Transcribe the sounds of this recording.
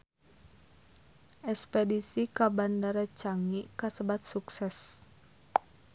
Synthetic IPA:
ʔɛspedisikabandaɾat͡ʃaŋikasəbat̪̚suksɛs

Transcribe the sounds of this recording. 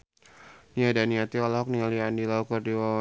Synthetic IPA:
niadaniat̪ialaɦɔk̚nialiandilaukɔrdiwa

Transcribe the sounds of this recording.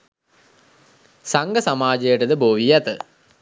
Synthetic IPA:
saŋɡəsamaːd͡ʒɐjəʈəd̪əboːʋijɐt̪ə

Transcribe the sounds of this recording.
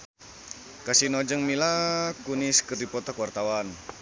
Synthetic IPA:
kasinɔd͡ʒəŋmilakuniskərdipɔt̪akuwart̪awan

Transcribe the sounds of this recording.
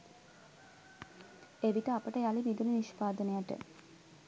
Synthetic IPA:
eʋiʈəapəʈəjalibid̪uluniʃpaːd̪ənejaʈə̰

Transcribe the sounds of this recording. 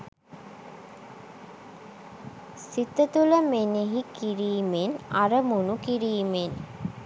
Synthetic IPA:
sit̪ət̪uləmeneɦikiɾiːmenaɾəmunukiɾiːmen

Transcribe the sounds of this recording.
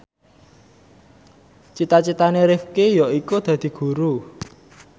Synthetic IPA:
t͡ʃit̪at͡ʃit̪aneɾɪfkejɔikud̪̥a̤d̪̥i̤ɡ̥ṳɾu

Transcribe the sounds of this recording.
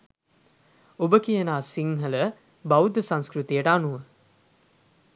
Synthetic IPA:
obəkijənaːsiŋɦələ | bawud̪əsãnskɾut̪ijəʈəanuʋə

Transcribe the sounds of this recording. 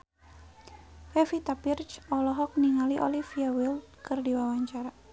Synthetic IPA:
fɛfit̪apirt͡ʃɔlɔɦɔk̚niŋaliʔɔ̰lifiawildkɨrdiwawaɲt͡ʃaɾa

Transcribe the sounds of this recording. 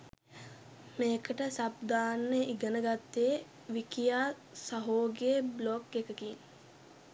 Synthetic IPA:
meːkəʈəsab̚d̪aːnːeʔiɡənəɡat̪ːee | ʋikijaː | saɦoːɡeeblokːekəkin

